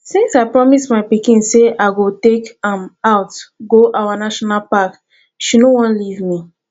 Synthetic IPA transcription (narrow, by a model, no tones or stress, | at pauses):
sĩnsaɪpɹɔmismaɪpikĩnseʔaɪɡotekãmaʊtɡoʔawanaʃɔnalpak | ʃinowɔ̃nlivmi